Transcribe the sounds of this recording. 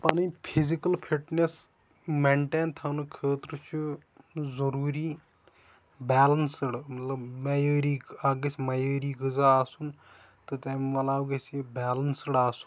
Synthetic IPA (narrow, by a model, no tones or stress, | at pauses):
paːniːpʰɪzikəlpʰiʈnes | mẽːɳʈeːnt̪ʰaːnukʰeːt̪ɾət͡ʃ | zəɾuːɾiː | bɛːlənsəɽmɐt̪ləbmejəːɾiːaːɡesmajəːɾiːɡəzaːaːsun | t̪ɨt̪ɛːmmɐlaːɡesibɛːlənsɽaːsu̥n